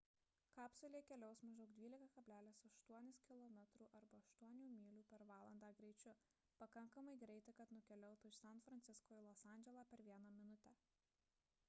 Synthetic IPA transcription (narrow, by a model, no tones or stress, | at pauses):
kɑːpʲsʲʊlʲeːkʲɛlʲɛʊsmɐʒd̪ɐʊd̪ʲʋʲiːlʲɪkɐkɐbʲlʲæːlʲɪsɐʃt̪uɔnʲɪskʲɪlˠɔmʲɛt̪ɾuːʔɐɾbɐɐʃt̪uɔnʲuːmʲiːlʲuːpʲɛɾʋɑːlˠɐnd̪ɑːɡɾʲɛɪt͡ʃʲʊ | pɐkɐŋkɐmɐɪɡɾʲɛɪt̪ɐɪkɐt̪nʊkʲɛlʲɛʊt̪uɪʃsʲɛnt̪fɾɐnʲt̪ʲɪskoːjɪlˠɔːsɑˑnʲd͡ʒʲɛlˠɑːpʲɛɾʋʲiɛnɑmʲɪnʊt̪ʲɛ